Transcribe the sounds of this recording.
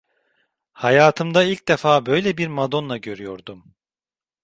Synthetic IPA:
hajaːt̪ʰɯmd̪ailʲc̚d̪efaːbø̞jlʲɛbiɾmad̪o̞nlˠaɟø̞ɾyjo̞ɾd̪um

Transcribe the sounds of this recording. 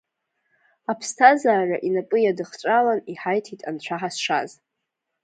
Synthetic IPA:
apʰstʰazaːraʔinapʼɨjadɨχt͡ʃʷʼalaniħajtʰitʼant͡ɕʷʰaħasʂa̰z

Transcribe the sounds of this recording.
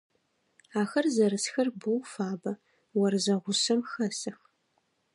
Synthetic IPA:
aːxɐrzɐɾɨsxɐrbɨwfaːbɐ | wɐrzɐʁʷʊsɐmxɐsɐx

